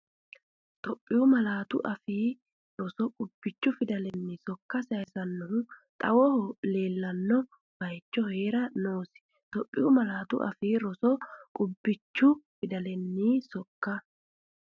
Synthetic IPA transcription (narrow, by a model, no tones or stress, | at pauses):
t̪ɔpʼːɪʊmɐlaːt̪ʊ̰ʔɐfiː | ɾɔsɔkʼʊb̥ːɪt͡ʃːʊfɪd̪ɐlɛnːisɔkːɐsɐjsɐnːʊt̪ʼɐwɔhɔleːlːɐnːɔ | b̥ɐjt͡ʃːɔhe̞ːɾɐnoːsɪ̥ | t̪ɔpʼːɪjʊmɐlaːt̪ʊ̰ʔɐ̰fiːɾɔsɔkʼʊbːɪt͡ʃːʊfɪd̪ɐlɛnːiːsɔkːɐ